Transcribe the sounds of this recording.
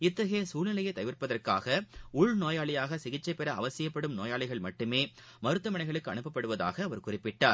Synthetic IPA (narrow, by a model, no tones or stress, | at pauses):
ɪt̪ːɐɣɐjɐsuːlnɪlɐjɐɪt̪ɐʋɪrpɐðɐrkaːɣɐʊɭnoːjaːɭɪjaːɣɐsɪɣɪt͡ʃːɐɪpːɛɾɐɐʋɐsɪjɐpːɐɽɯmnoːjaːɭɪɣɐɭmɐʈːɯmeː | mɐɾɯt̪ːɯmɐɳɐɪɣɐɭɯkːɯɐɳɯpːɐpːɐɽɯʋɐða̰ːɣɐːʋɐɾkʊrɪpːɪʈːaːɾ